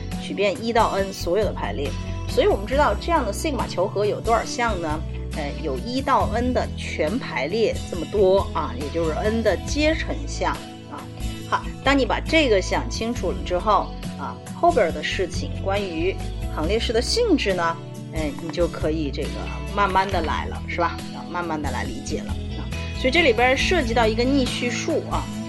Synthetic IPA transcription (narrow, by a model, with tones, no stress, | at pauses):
t͡ɕʰy˨˩pjɛ˥˧ni˥t̪ɑ˥˩ʊə˥nswɔ˧˥jo˨˩ʊd̪əpʰa˧˥ɪljɛ˥˩swɔ˧˥i˧˥wɔ˨˩mə˦nʈ͡ʂɻ̩˥t̪ɑ˥˧ʊʈ͡ʂɤ˥˧jɑ˥˩ŋd̪ə˩ɕi˥˩ŋma̰˨˩t͡ɕʰjo˧˥ʊxɤ˧˥jo˨˩ʊt̪wa˞˥˨˩ɕjɑ˥˩ŋnə˩ | a˥˩jo˨˩ʊi˥t̪ɑ˥˩ʊʔə˥nd̪ə˨t͡ɕʰɥɛ˧˥npʰa˧˥ɪljɛ˥˩ʈ͡ʂɤ˥˩mə˩t̪wɔ˥ɐ˧˩jɛ˨˩t͡ɕjo˥˧ʊʂɻ̩˥˩ə˥nd̪ə˨t͡ɕjɛ˥ʈ͡ʂʰɤ˧˥ŋɕjɑ˥˩ŋ | ɐ̰˧˩ | xa˧˥t̪ɑ˥ŋni˧˥pa̰˨˩ʈ͡ʂɤ˥˩ɡə˩ɕjɑ˨˩ŋt͡ɕʰi˥ŋʈ͡ʂʰu˨˩lə̰˨˩ʈ͡ʂɻ̩˥xo˥˩ʊ | ɐ˧ | xo˥˩ʊp̬jə˞˨˩d̪ə˩˧ʂɻ̩˥˩t͡ɕʰḭ˨˩ŋkwa˥ny˧˥xɑ˧˥ŋljɛ˥˧ʂɻ̩˥˩d̪ə˩ɕi˥˧ŋʈ͡ʂɻ̩˥˩nə˩ | e˥˩ɪni˨˩t͡ɕjo˥˩ʊkʰɤ˧˥i˨˩ʈ͡ʂɤ˥˩ɡə̰˩ | ma˥˧nma˥˩nd̪ə˩la̰˧˥ɪlə̰˧ʂɻ̩˥˩bɐ˩˧˩ma˥˧nma˥˩nd̪ə˩la̰˧˥ɪli˧˥t͡ɕjɛ̰˨˩lə̰˦˧˩swɔ˧˥i˨˩ʈ͡ʂɤ˥˩li˨˩pa˥˧ʂɤ˥˧t͡ɕi˥˧t̪ɑ˥˩ʊi˧˥ɡə˧ni˥˩ɕy˥ʂu˥˩ɐ˩